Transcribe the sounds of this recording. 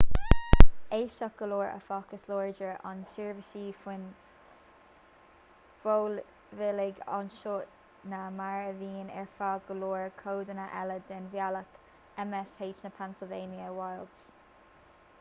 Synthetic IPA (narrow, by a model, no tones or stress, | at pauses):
eːʃak̚ɡ̥əloːɹə̰fɑːkəsloːɹd͡ʒəɹʔɑ̰nʃɪɹvəʃiːfɪn | v̥ol | vɪlɪɡɑ̰nʃot̚ | namaɹəviːnɛ̰ɹfaɡəloːɹkʰoːd̪ənaʔɛləd̪ɛnvjalək | ɛmɛsheːt͡ʃnəpʰansɪlveːnjəwajlds